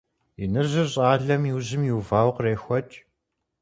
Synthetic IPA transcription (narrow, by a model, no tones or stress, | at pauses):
ɪnɨrzɨɕʼaːɮɐmjiwzɪmjuːvaːwqreːxʷɔt͡ʃʼ